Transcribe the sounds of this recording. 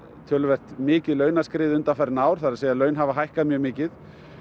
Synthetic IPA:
t̪ʰœːlvɛr̥t̪mɪːcɪðlœːɥnaskɾɪːðʏnt̪afɛɾnaːwɾ̥θaɾðseːjalœɥnɦavaɦajhkamjœːɣmɪːcɪð

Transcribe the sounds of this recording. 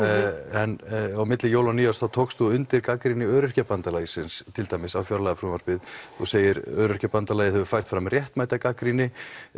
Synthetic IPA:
ɛnawmɪt̪lɪjoːwlaniːjasθawt̪ʰoːwkst̪uʏnt̪ɪɾkakɾinɪœːɾʏr̥capant̪alaːjsɪnst̪ʰɪlt̪ajmɪsawfjɔɾalajɣafɾumaɾ̥pɪðθuseːjɪɾœːɾʏr̥capant̪alajɪhɛvʏfajr̥t̪fɾamrjɛht̪majt̪akakɾinɪ

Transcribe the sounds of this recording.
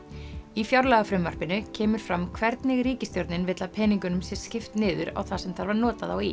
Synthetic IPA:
ifjawɾlaɣafɾʏmvar̥pɪnʏcʰɛːmʏɾ̥fɾamkʰvɛɾt̪nɪɣriːcɪst̪jowɾt̪nɪnvɪt̪lapʰɛːniŋkʏnʏmsjɛ̥scɪft̪nɪːðʏɾa̰wθasɛmθaɾvaɾnɔːt̪aðawi

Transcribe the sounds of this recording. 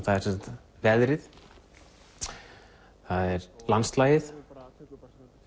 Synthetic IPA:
θaɛɾ̥sɛnsat̪ | vɛðɾɪð | θaðɛɾlanst̪laːjɪθ

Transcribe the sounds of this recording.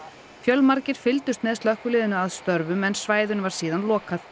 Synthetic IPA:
fjœlmaɾcɪɾ̥fɪlt̪ʏst̪mɛðst̪œhkʏlɪːðɪnʏaðst̪œɾvʏmɛnsvaːjðʏnvaɾ̥siːðanlɔːkaθ

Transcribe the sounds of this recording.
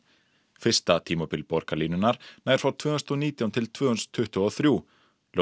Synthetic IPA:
fɪr̥st̪at̪ʰiːmɔpɪlpɔɾ̥kaliːnʏnaɾ̥naːjɾ̥fɾawt̪ʰvœːhnst̪ɔniːt̪jawnt̪ʰɪlt̪ʰvøːhʏnst̪ʰːʏht̪ʏɔθɾjuː | l

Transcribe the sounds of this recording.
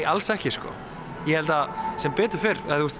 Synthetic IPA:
alsɛhcɪskɔ̰ | jɛhɛlt̪asɛmpeːt̪ʏɾ̥fɪɾat̪ust̪

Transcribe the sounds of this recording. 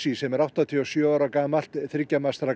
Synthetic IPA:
sisɛmɛɾawht̪at̪ʰiɔsjœːaɾakaːmal̥t̪θɾɪcːamast̪ɾa

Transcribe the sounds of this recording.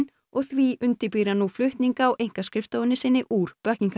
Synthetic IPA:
n | ɔɣθviʔʏnt̪ɪpiːɾanuflʏht̪niŋkaːwʔejŋ̥kaskɾɪft̪owʏnːɪsɪnːɪʔuːɾ̥pœhcniŋka

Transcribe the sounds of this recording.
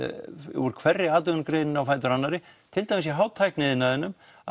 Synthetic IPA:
ɔɾkʰvɛrːɪaːt̪ʏnkɾejnɪnawfaːjt̪̬ʏɾanːaɾɪt̪ʰɪlt̪ajmɪsjɛɦaːwt̪ʰːajhknɪðɪnːaðɪnːʏm

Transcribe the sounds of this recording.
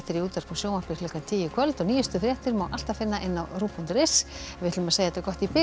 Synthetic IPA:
t̪ɪɾiuːt̪aɾ̥pʰɔsjoːwmapɪɾlʏkant̪ʰiːjɪkʰvœlt̪ɔɣniːjʏst̪ʏθɾjɛht̪ɪɾmaːwʔal̥t̪afɪnːaʔɪnːawruːpɔnt̪ʏɾɪsvɪht̪lʏmɛðsejðaɛt̪akɔht̪ipɪ

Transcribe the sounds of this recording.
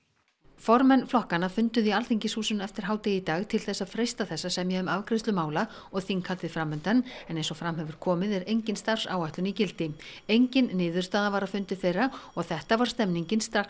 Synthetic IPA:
fɔɾmɛnːflɔhkanːafʏnt̪ʏðialθiɲcɪsuːsʏnɛft̪ɪɾ̥ɦaːwt̪ɪit̪aːɣt̪ʰɪlθɛsːaðfɾejst̪aθɛsːasɛmjɛʏmavkɾɪst̪lʏmaːwla | ɔɣθiŋkʰalt̪ðɪfɾamːʏnt̪anɛnejnsɔfɾamhɛvʏɾ̥kʰɔːmɪðɛɾejɲcɪnst̪ar̥sa̰wajht̪ʏnicɪlt̪ɪejɲcɪnːɪːðʏɾ̥st̪aːðavaɾafʏnt̪ɪθejraɔɣθɛht̪avaɾ̥st̪ɛmniɲcɪnst̪ɾaxs

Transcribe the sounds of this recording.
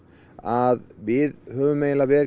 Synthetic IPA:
aðvɪðhœːvʏmejlavɛːɾ

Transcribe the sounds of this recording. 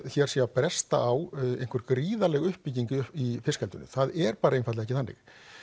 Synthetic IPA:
çɛɾ̥siːapɾɛst̪a̰ʔawḛjŋ̥kʰvʏɾkɾiːðalɛɣʏhpːiciɲcʏʏifɪskɛlt̪ʏnːʏ̰θaðɛɾpaːɾaejnfat̪lɪɛcɪθanːɪ̰x

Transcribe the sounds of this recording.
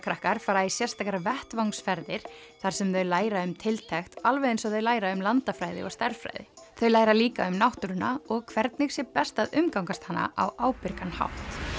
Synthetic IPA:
kʰɾahkaɾ̥faːɾaisjɛr̥st̪akaɾvɛht̪vawŋsfɛɾðɪɾ̥θaɾ̥sɛmðœɥlaːjɾaʏmt̪ʰɪlt̪ʰɛxt̪alvɛensɔðœɥlaːjɾaʏmlant̪afɾaːjðɪ̰ɔ̰ɣst̪ɛɾ̥fɾa̰jðɪ̰θœɥlaːjɾaliːka̰ʏmnawht̪ʏɾʏnaɔɣkʰv̥ɛɾt̪̚nɪɣsjɛɾpɛst̪aðʏmkawŋkast̪hanːa̰ʔa̰waːwpɪɾkanha̰wht̪

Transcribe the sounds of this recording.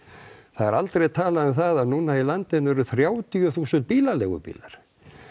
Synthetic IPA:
θaðɛɾalt̪ɾejt̪ʰaːlaʏmθaðaðnuːnailant̪ɪnvɛɾʏθɾjaːwt̪ʰiʏθuːsʏnt̪̚piːlalɛɣʏ̰pḭːlaɾ̥

